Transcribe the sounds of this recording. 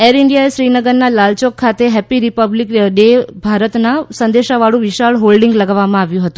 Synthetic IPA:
eɾɪɳɖijaeʃɾinəɡəɾnalalt͡ʃokʰːat̪eɦɛpiɾipəblikɖebʱaɾət̪nasə̃nd̪eʃaʋaɭũʋiʃaɭɦolɖiŋɡləɡaʋːamãaʋjũɦət̪ũ

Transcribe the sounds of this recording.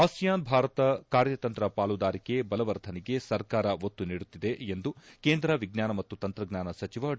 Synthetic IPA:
aːsijaːnbʱaːɾɐt̪ɐkaːɾjɐt̪ɐnt̪ɾɐpaːlud̪aːɾike̞bɐlɐʋɐɾt̪ʰɐniɡe̞sɐɾkaːɾɐʋot̪ːuniːɽut̪ːid̪e̞end̪ukeːnd̪ɾɐʋiɡnaːnɐmɐt̪ːut̪ɐnt̪ɾɐɡnʲaːnɐsɐt͡ʃiʋɐ

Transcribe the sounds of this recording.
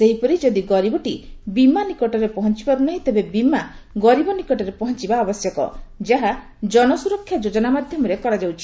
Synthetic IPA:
seɦipɔɾid͡ʒɔd̪iɡɔɾibɔʈibimanikɔʈɔɾepɔɦɔnt͡ʃibaɾunaɦĩt̪ebebimaɡɔɾibɔnikɔʈɔɾepɔɦɔnt͡ʃibaɔbɔsjɔkɔ̰d͡ʒaɦa | d͡ʒɔnɔsuɾɔkʰːjad͡ʒod͡ʒɔnamad̪ʱjɔmɔɾekɔɾad͡ʒawt͡ʃʰi̥

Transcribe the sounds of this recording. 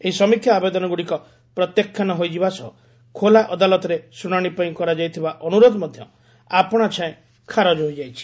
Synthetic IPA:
eɦisɔmikʰjaːbed̪ɔnɔɡuɽikɔ | pɾɔt̪jɔkʰːjanɔɦojd͡ʒibasɔɦɔ | kʰolaʔɔd̪alɔt̪ɔɾesuɽ̃aɽ̃ipaĩkɔɾad͡ʒajt̪ʰibaʔɔnuɾod̪ɔmɔd̪ʱjɔ̰ | apɔɽ̃at͡ʃʰãẽ | kʰaɾɔd͡ʒɦojd͡ʒajt͡ʃʰi̥

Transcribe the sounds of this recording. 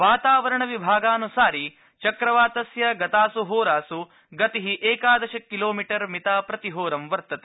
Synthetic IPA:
ʋaːt̪aːʋɐɾɐɳɐʋibʱaːɡaːnusaːɾi | t͡ʃɐkɾɐʋaːt̪ɐsjɐɡɐt̪aːsuɦoːɾaːsu | ɡɐt̪eɦiʔeːkaːd̪ɐʃɐkːiloːmiʈɐɾmit̪aːpɾɐt̪iɦoːɾɐmʋɐɾt̪ɐt̪e̥

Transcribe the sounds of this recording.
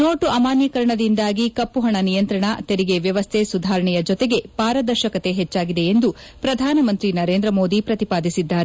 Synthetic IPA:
no̞ːʈuɐmaːnjɐkɐɾɐɳɐd̪ind̪aːɡikɐpːuɦɐɳɐnijɐnt̪ɾɐɳɐt̪eɾiɡe̞ʋjɐʋɐst̪ʰesud̪ʱaːɾɐɳɛjɐd͡ʒɔt̪e̞ɡe̞paːɾɐd̪ɐɾʃɐkɐt̪e̞ɦɛt͡ʃːaːɡid̪e̞end̪u | pɾɐd̪ʱaːnɐmɐnt̪ɾinɐɾe̞ːnd̪ɾɐmo̞ːd̪ipɾɐt̪ipaːd̪isid̪ːaːɾe

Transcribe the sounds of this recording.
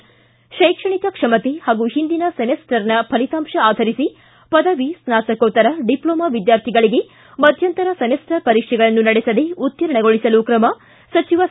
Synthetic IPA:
ʃɐjkʂɐɳikɐkʂɐmɐt̪ehaːɡuɦind̪inɐsɐmesʈɐɾnɐpʰɐlit̪aːmʃɐaːd̪ʱɐɾisi | pɐd̪ɐʋisnaːsɐkoːt̪ːɐɾɐɖiploːmɐʋid̪jaːɾt̪ʰiɡɐɭiɡe | mɐd̪ʱjɐnt̪ɐɾɐsɐmesʈɐpɐɾikʂɛɡɐɭɐnːunɐɽesɐd̪eut̪jɐɾɐɳɐɡoɭisɐlukɾɐmɐ | sɐt͡ʃiʋɐ

